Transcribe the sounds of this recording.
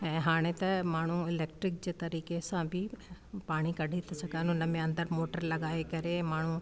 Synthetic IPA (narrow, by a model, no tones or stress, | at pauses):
ɛ̃ːɦaːɽ̃et̪ɐmaːɳ̤̃uɪleːk̚ʈɾɪk̚d͡ʑeːt̪ɐɾiːkesãbʱɪpaːɽ̃ikɐɖʱit̪ʰisɐɡənʊnəmẽɐ̃nd̪əɾmoːʈəɾlɐɠaːekɐɾemaːɳ̤u